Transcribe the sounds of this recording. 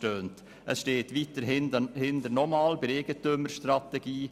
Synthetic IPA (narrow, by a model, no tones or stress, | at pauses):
ʈøːnt̪ | ʔɛsʃteːt̪ʋiːt̪əɾnd̪əhɪnd̪əɾnɔmɑːlbəɾeːɡət̪ʉməɾst̪ɾɑt̪ɛɡiː